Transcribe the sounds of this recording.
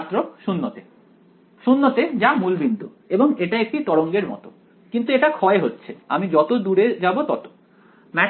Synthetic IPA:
t̪ːɾoʃunːot̪e | ʃunːot̪ed͡ʑamulbind̪ʱu | eboŋeʈaek̚ʈit̪ɔɽoŋɡeɾmɔ̰t̪o | kint̪ueʈakʰɔeɦotːɕʰea̰mid͡ʑɔt̪od̪uɽed͡ʑabot̪ɔt̪o̥ | mɛ

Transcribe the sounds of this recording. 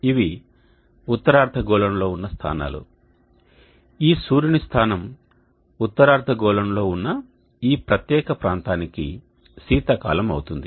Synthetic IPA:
iʋi | ut̪ːɐɾaːɾt̪ʰɐɡɔːlɐmlo̞ːunːɐst̪ʰa̰ːna̰ːlṵ | iːsuːɾinist̪ʰaːnɐm | ut̪ːɐɾaːɾt̪ɐɡɔːlɐmlo̞ːunːɐ | iːpɾɐt̪jɛːkɐpɾaːnt̪aːnikḭ | siːt̪ɐka̰ːlɐmɐ̰wut̪und̪i

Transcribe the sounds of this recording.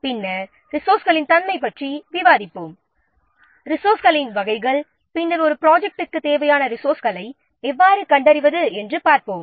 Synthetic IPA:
pɪnːɐ | ɾɪsoːɾsɣɐɭɪnt̪ɐnmɐɪpːɐʈriʋɪʋaːðɪpːoːm | ɾɪsoːɾsɣɐlɪnʋɐɣɐɪɣɐɭ | pɪnːɐlɔɾɯpɪɾaːd͡ʒɛk̚ʈɯkːɯt̪ːeːʋɐjaːnɐɾɪsoːɾskɐlɐɪ | ɛʋːaːɾɯkɐɳɖɐɾɪʋɐðɯɛndrɯpaːɾpoːm

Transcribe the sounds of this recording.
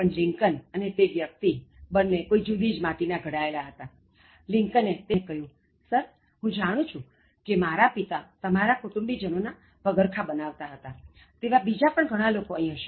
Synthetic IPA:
pəɳlĩŋkənənet̪eʋjək̚t̪ibənːekoid͡ʒud̪id͡ʒmãt̪inaɡʱəɽaelaɦət̪a | liŋkənet̪ekəɦjũ | səɾ | ɦũd͡ʒaɽ̃ũt͡ʃʰũ | kemaɾapit̪at̪əmaɾakuʈũmbid͡ʒənona | bəɡəɾkʰabənaʋt̪aɦət̪a | t̪eʋabid͡ʒapəɳɡʱəɽ̃ãlokoəɦĩɦəʃe

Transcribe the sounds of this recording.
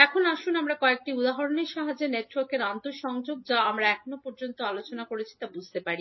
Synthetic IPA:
ɛkʰonaʃunamɾakɔek̚ʈiud̪aɦoɾoneʃaɦad͡ʑeneʈwaɾkeɾant̪oɾʃɔŋd͡ʑoɡ̚d͡ʑaamɾaɛkʰonopɔɾd͡ʑont̪oalot͡ɕonakoɾet͡ɕʰi̥t̪abud͡ʑʱt̪epaɾi

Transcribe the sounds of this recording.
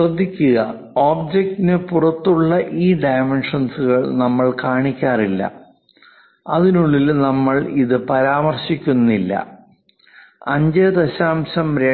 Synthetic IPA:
rɐd̪ʱːikʲːuɣɐ | oːbd͡ʑek̚tinɨpurɐt̪ːuɭːɐʔiːɖɐjmenʂɐnsɨɣɐɭnɐmːɐɭkaːɳikʲːaːrilːɐ̰ | ɐðinuɭːilnɐmːɐɭiðɨpɐɾaːmɐrɕikʲːunːilːɐ̰ | ɐɲd͡ʑɐd̪ɐɕaːmɕɐmɾe

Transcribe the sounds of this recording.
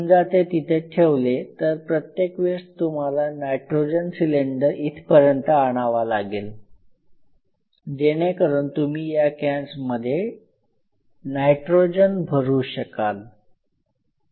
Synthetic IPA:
nd͡zat̪et̪it̪ʰeʈʰeʋlet̪əɾpɾət̪jekʋest̪um̤alanajʈɾod͡ʑənsileɳɖəɾit̪ʰpəɾjənt̪əaɽ̃aʋalaɡel | d͡ʑeɽ̃ekəɾuɳt̪umiːjakãnsməd̪ʱːje | najʈɾod͡ʑənbʱəɾuːɕəkal

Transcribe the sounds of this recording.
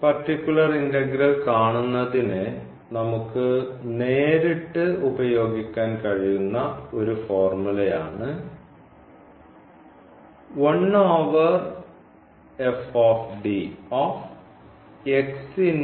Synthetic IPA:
pɐrtːikʲːulɐrindɐɡɾɐlkaːɳunːɐðinɨ | nɐmukːɨneːɾiʈːɨubɐjo̞ːɡikʲːaːnkɐɻijunːɐo̞ɾufoːrmulɐjaːɳɨ | wɐnoːʋɐr | efoːfɖioːf | eksin

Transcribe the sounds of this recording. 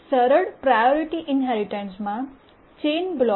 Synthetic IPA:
səɾəɽpɾajɔɾiʈiʔɪnɦɛɾiʈə̃nsmã | t͡ʃeːnblɔ

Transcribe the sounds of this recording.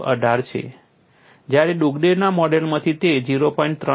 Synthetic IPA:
ʔəɖʱaɾt͡ʃʰḛ | d͡ʒjaɾeɖuɡɖenamɔɖelmãt̪ʰit̪ed͡ʒiɾopɔĩɳʈ̚t̪ɾə

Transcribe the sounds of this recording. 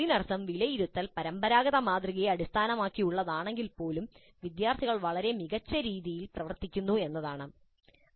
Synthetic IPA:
inɐrɐsɐmʋilɐjiɾut̪ːɐlpɐɾɐmbɐɾaːɡɐðɐmaːt̪riɣeɐɽist̪ʰaːnɐmaːkːijuɭːɐðaːɳe̞ŋɡilpo̞ːlum | ʋid̪jaːrt̪ʰiɣɐɭʋɐɭɐɾe̞miɣɐt͡ɕːɐɾiːðijilprɐʋɐrt̪ikʲːunːue̞nːɐðaːɳɨ

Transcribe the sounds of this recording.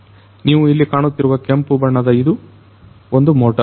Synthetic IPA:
niːʋuilːikaːɳut̪ːiɾuʋɐkempubɐɳːɐd̪ɐid̪u | ond̪umoːʈɐ

